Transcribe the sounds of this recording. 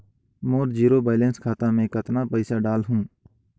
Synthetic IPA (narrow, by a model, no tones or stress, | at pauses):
moːɾd͡ʒiːɾobaːɪlẽːnskʰaːt̪amẽkət̪napəɪsaɖaːlɦũː